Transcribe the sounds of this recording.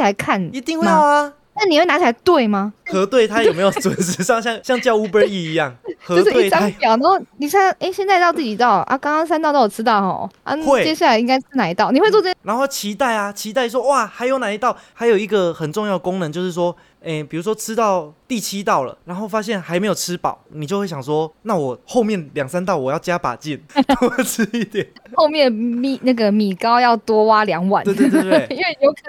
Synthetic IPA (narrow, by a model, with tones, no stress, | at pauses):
t͡ɕi˨˩la˧˦ɪkʰa˥˩ni˧˥t̪i˥˧ŋxwe˥ja˧ | na˥˩ni˨˩˨we˥˩na˧˥t͡ɕʰi˨˩a˧ɪt̪we˥˩ɪma˨˩xɤ˧˥t̪we˥˩ɪt̪ʰa˥jme˧˥ɪjo˨˩t͡swə˨˩ns̩˥˧ɕjɑ˥˧ŋɕjɑ˥˧ŋɕjɑ˥˧ŋt͡ɕjɑ˥˧ʊu˥pə˧i˥˧˩i˧˦jɑ˥˩ŋt͡ɕxɤ˧˥˧ʊtʂɻ̩˥we˥˧˩ɑ˥jɑ˨˩nɑ˧˥xo˥˩ni˨˩ɕa˥˧ʔe˥˩ɪɕjɛ˥˧nt͡sa˥˧t̪ɑ˥˧t͡si˥˩t͡ɕi˨˩t̪ɑ˥˩ʊlə̰˩ʔa̰˦˩kɑ˥ŋkɑ˥ŋs̬a˥nt̪ɑ˥˧ʊ˥˩wɔ˨˩˥ɑ˥˩ʊxɔ̰˥˩a̰˥˧t̪we˥˩t͡ɕjɛ˥ɕja˥˩la˧ɪi˥ŋka˥ɪʈ͡ʂʰɻ̩˥na˨˧˥i˧˥t̪ɑ˥˩ʊni˨xwe˥˧ɪt͡swt͡sɤ˥˩˥ɻa˧˥nxo˥˧˥t͡ɕʰi˧˥t̪a˥˩ɪa˨t͡ɕʰi˧˥t̪a˥˧ɪs̬wɔ˦˥wa˥˩xa˧˥ɪjo˧˥ʊna˨˩i˧˥t̪ɑ˥˩ʊxa˧˥ɪjo˨˩ʊi˧˥ɡə˨xə˨˩nʈ͡ʂʊ˥˧ŋjɑ˥˩ʊə˩ko˦ŋnə˧˦nt͡ɕjo˥˧ʊʂɻ̩˥˩swɔ˥ | e˥˩pi˨˩ɻu˧˥ʂ̬wɔ˥ʈ͡ʂʰɻ̩˦˥t̪ɑ˥˧ʊt̪i˥˨t͡ɕʰi˦˥t̪ɑ˥˩ʊlə̰˩ɻa˧˦nxo˥˩ʊfa˥ɕjɛ˥˩nxa˧˥ɪme˧˥ɪjo˨˩ʈ͡ʂʰɻ̩˦˥pɑ̰˨˩˦ʊni˨t͡ɕjo˥˧ʊwɕjɑ˨˩ŋs̬wɔ˦˥na˥˨wɔ˨˩xo˥˧ʊmjɛ˥˩nljɑ˨˩ŋsa˦nt̪̬ɑ˥˩ʊwɔ˨˩jɑ˥˩ʊt͡ɕja˦pa̰˨˩t͡ɕi˥˨˩nɔ˨˩˥ʈ͡ʂ̩ʰ˥i˥˩t̪jɛ˨˩nxo˥˧ʊmjɛ˥˨nmi˨˩na˥˩ɡə˨mi˨˩kɑ˦˥ʊjɑ˥˨˩ʊt̪wɔ˥wa˦˥ljɑ˨˧˦ŋwa̰˥˩˦n˥˧t̪t̪t̪i˥nwe˥˩jo˧˥ʊkʰ